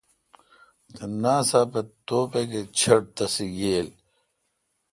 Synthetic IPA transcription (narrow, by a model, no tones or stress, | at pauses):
t̪enaːsapet̪oːpeket͡ɕʰɐɽ̚t̪ɐsijeːl